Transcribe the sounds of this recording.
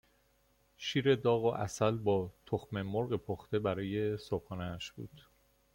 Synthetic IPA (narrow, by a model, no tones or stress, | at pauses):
ʃiːɾe̞d̪ɒːɣoʔæ̰sælbɒːt̪ʰoxme̞moɾɣepʰoxt̪e̞bæɾɒːje̞sobxɒːneːʃb̥ṵːd̪̥